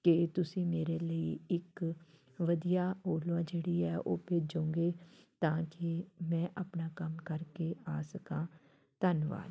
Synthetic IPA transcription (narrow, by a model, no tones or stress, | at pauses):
kɪt̪ʊsĩːmeːɾeːləiːɪk | ʋəd̪ijaːoːlʋãːd͡ʒeːɽiːɛːʔoːpeːd͡ʒõːŋɡeːt̪ãːkɪmɛ̃ːʔaːpɳaːkəmkəɾkeːaːsəkãː | t̪ənʋa̰ːl